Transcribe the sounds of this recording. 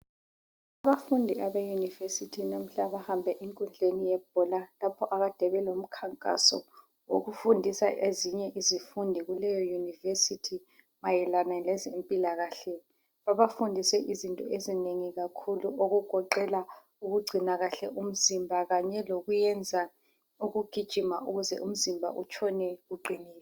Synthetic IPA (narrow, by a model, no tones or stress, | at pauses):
aβafundʱiaβejunivesitʰinam̩ɬaβahambʱɛʔiŋkʼund͡ɮʱenijɛb̥̚ʱɔlalapʰɔʔaɣad̥ʱɛβɛlom̩kʰaŋkʼa̰sɔ̰ | wo̰ɣufundʱisa̰ʔeziɲɛʔizifundʱiɣulɛjɔjunivesitʰi | majɛlanalɛzempʼilaɣaɬɛ | βaβafundʱisɛʔizintʼɔezineŋiɣakʰuluʔoɣuɡ̥ʱɔǃɛla | uɣuɡ͡ǀʱinaɣaɬɛʔum̩zimbʱaɣaɲɛloɣujɛnd͡zʱa | uɣuɡ̥ʱid̥ʒ̥ʱimauɣuzɛ̰ʔum̩zimbʱa̰ʔut͡ʃʰɔnɛɣuǃʱiniːlɛ